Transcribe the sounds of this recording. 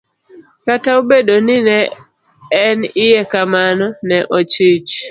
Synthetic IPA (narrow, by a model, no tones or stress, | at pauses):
kataobedonɪnɛː | nɪjɛkamanɔnɛʔot͡ʃɪt͡ʃ